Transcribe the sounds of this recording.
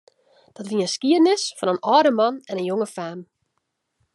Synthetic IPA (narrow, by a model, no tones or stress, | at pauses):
d̥ɔtʋiəskiədnɪsfɔnənɔːdəmɔnɛnənjoŋəfaːm